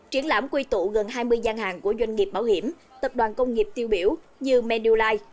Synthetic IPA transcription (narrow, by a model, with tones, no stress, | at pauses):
t͡ɕi˧˦əŋla̰ː˧˥mkwi˧t̪ṵ˧˨ɣə˨˩nɦaː˧jmɨ˧əjzaː˧nhaː˨˩ŋku˧˩əzwa˧jŋ̟ŋi˨˩əp̚ɓaː˧˩whi˧˩əm | t̪ə˨˩p̚ɗwaː˨˩nkə˧wŋ͡mŋi˨˩əp̚t̪i˧əwɓi˧˩əw | ɲɨ˧mɛ˧ɗu˧laː˧j